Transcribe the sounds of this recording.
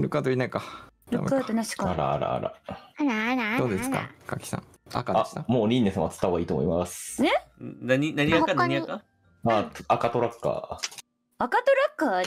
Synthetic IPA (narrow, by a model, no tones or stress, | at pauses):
ɾɯ̟kat̪oinaikaɾɯkat̪onaɕi̥kaaɾa̰a̰ɾa̰a̰ɾa̰aɾaɾad̪oːd̪eska̰ka̰kʲi̥sã̰ŋ | a̰kaḁsãmoːɾʲĩnːesãat͡sɨ̥t̪aoaiːt̪omo̰imasenaɲinaɲiakːanaɲiakːa | aakat̪o̞ɾakːa̰ | akat̪oɾakːa